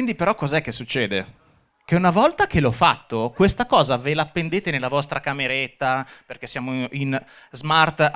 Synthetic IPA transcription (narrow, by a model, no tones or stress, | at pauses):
ind̪ipeɾɔkːɔzaɛkːesːut͡ʃːɛːd̪e | k̟eunavɔlt̪ak̟elɔfːat̪ːokwest̪akɔːzavelapːend̪eːt̪enelːavɔst̪ɾakameɾet̪ːaperk̟esːjaːmoʔin | zmart̪